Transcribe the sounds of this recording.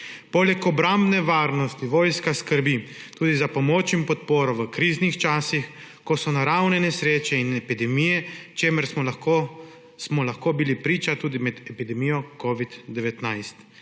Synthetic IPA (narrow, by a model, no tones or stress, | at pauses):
poːlɛkɔbɾambnɛʋaːɾnɔst̪iʋoːjskaskəɾbi | t̪uːd̪izapɔmoːt͡ʃimpɔt̪̚poːɾɔʋəkɾiznixt͡ʃaːsix | kɔsɔnaɾawnɛnɛsɾeːt͡ʃɛinɛpid̪ɛmijɛt͡ʃeːməɾs | smɔlaxkoːbilipɾiːt͡ʃat̪uːd̪imɛd̪ɛpid̪ɛmijɔkoːʋid̪d̪ɛʋɛt̪najst̪